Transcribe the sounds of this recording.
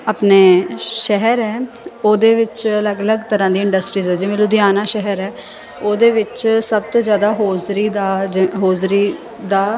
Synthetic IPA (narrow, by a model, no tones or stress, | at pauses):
aːpneːʃɛɦəɾɛː | oːd̪eːʋɪt͡ʃələɡələɡt̪əɾãːd̪iːɪ̃ɳɖəsʈɾiːzɛːd͡ʒɪʋẽːlʊd̪ɪjaːnaːʃɛɦəɾɛː | oːd̪eːʋɪt͡ʃsəb̚t̪õːzjaːd̪aːɦoːzɾiːd̪aːɦoːzɾiː | d̪aː